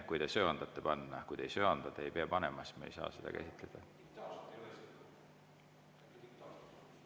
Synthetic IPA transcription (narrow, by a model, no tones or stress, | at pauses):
kujd̪esø̞ːɑnd̪̥ɑt̪ːˑe̞pɑnːɑkujd̪̥e̞jsø̞ɑnd̪̥ɑt̪ːˑeejpeɑpɑnemɑsmɑḛjsɑ̰ːsed̪̥ɑ̰kæ̰sit̪ˑle̞d̪̥ɑ